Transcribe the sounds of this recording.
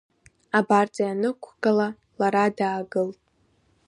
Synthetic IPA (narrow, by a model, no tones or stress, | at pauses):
abart͡sʼajanɨkʷʰɡala | laɾadaːɡɨltʼ